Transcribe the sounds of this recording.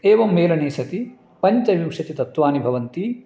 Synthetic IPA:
eːʋɐmːeːlɐneːsɐt̪i | pɐɲt͡ʃɐʋimʂɐt̪it̪ɐt̪ʋaːnibʱɐʋɐnt̪i

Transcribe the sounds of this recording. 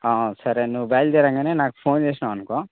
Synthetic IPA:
aːsɐɾenuːʋbaːjld̪eːɾaŋɡeneːnaːk̚pʰoːnd͡ʒeːsnaɐnkõ

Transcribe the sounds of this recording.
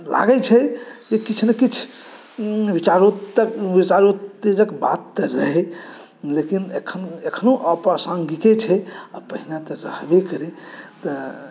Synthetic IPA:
la̰ɡɛt͡ʃʰɛd͡ʒekit͡ʃʰnekit͡ʃʰ | ʋit͡ʃaɾokbit͡ʃaɾot̪ːed͡ʒəkba̰t̪ːəɾəɦɛ | lekinekʰːənekʰənoʔəpasãŋɡiket͡ʃʰɛapəɦinat̪ɔɾə̰hbekəɾet̪ə

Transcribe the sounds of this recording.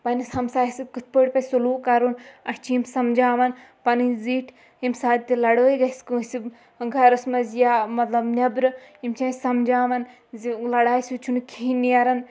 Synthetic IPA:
pɐnisɐmsaːisikɨt̪̚ʰpəːɽʲpɐsuluːkaɾunɐst͡ʃʰiimsɐmd͡ʒaːʋɐn | pɐnɨziːʈʰ | imsaːd̪̚ʲt̪ilɐɽəːjɡɐskɨsi | ɡʱɐɾɐsmɐzjaːmɐt̪lɐbnʲɐbɾɨimt͡ʃʰãːisɐmd͡ʒaːʋɐn | zilɐɽaːjsut͡ʃʰunkʰiniɐɾɐn

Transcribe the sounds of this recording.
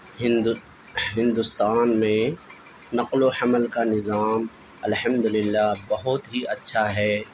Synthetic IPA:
ɪn | ɦɪ̃nd̪ʊst̪aːnmẽ | nɐqlohɐməlkanɪzaːm | ɐlħɐmd̪ʊlɪlːabɐɦʊt̪ɦiʔɐtːʃʰaɦɛː

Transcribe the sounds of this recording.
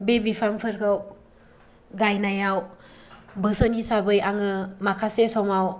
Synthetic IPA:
bebipʰaŋpʰɯɾkʰaw | ɡajnajaw | bɯsənkisabɯjaŋɯmakʰasesɔwmaw

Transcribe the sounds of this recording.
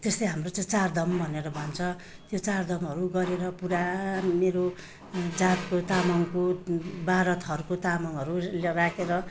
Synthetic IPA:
t̪est̪ʌɦamrot͡sʌ̃j̃t͡sard̪ʌmbʱʌneɾʌbʱʌnt͡sʰʌ | t̪jot͡sard̪ʌmɦʌɾuɡʌɾeɾʌpuɾameɾo | d͡zat̪kot̪amʌŋkobaɾʌt̪ʰɦʌɾukot̪amʌŋʌɾulrakʰeɾʌ

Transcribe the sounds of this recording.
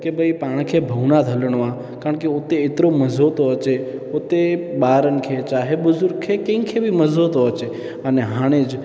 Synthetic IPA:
kebʱəipaːɽ̃kʰebʱəʋnad̪ʱələɽ̃ʋã | kaɾəɳ̃keot̪eːt̪ɾoməzʱot̪oət͡ʃeot̪eɓaːɾənkʰet͡ʃaːɦebʊzʊɾɡkʰːekẽŋkʰebʱiməzʱot̪oət͡ʃe | əneɦãːɽ̃ed͡ʒ

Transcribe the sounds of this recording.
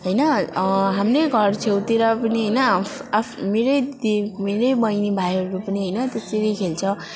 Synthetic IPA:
ɦʌjnʌɦamreɡʱʌrt͡sʰewt̪eɾʌpʌniɦʌjnʌapʰmeɾʌjd̪imeɾʌjbʌjnibʱajɦʌɾupʌniɦʌjnʌt̪eseɾʌjkʰelt͡sʰʌ

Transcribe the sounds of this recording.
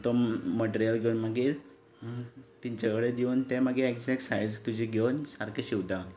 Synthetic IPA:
t̪ɔməʈeɾijəlɡʱeunməɡiːɾ | t̪iɲt͡ɕakɭed̪iunt̪eməɡeekd͡ʑɛksajd͡zt̪ud͡ʑʱiɡʱewnsaɾkʰeɕiʋt̪a

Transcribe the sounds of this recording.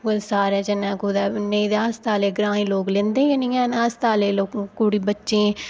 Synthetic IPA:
kosaːɾɛːd͡ʒənãːkuːd̪ɛːneĩd̪aːst̪aːleːɡɾãːĩːloːklẽːnd̪ẽːẽnĩːɛ̃ːnaːst̪aːleːloːkːkuːɽiːbətːʃẽː

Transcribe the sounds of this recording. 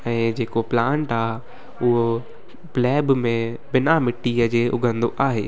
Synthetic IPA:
ɛ̃ːd͡ʑeːkoplãːɳʈaːɦ | ʊɦo | plɛːbmẽ | bɪnamɪʈːiːəd͡ʑeːʔʊɡʱə̃nd̪oʔaːɦḛː

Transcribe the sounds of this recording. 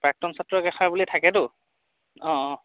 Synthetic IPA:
pɹak̚tɔmsatːɹɔɡɛxaɹbulitʰakɛtʊ | ɔ̃

